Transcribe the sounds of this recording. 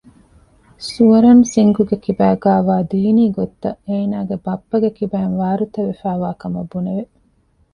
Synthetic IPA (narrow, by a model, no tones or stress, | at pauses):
suɐɾɐnsiŋɡuɡekibæːɡaːʋaːd̪iːniːɡot̪ːɐeːnaːɡebɐpːɐɡekibæːnʋaːɾut̪ɐʋefæːʋaːkɐmɐbːuneʋe